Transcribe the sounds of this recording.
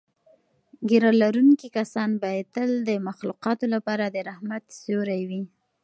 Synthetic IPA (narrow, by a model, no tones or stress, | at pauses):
ɡiɾɑlaɾunkikasɑnbajet̪əld̪əmaxluqɑt̪olapɑɾad̪əɾahmat̪soɾajwi